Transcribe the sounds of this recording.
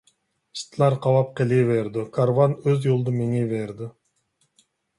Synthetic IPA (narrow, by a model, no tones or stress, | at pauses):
st̪lˠɑɾqʰɑwɑp̚qeliveɾd̪ɪkʰaɾvanøzjolˠd̪umeŋeveɾd̪ɪ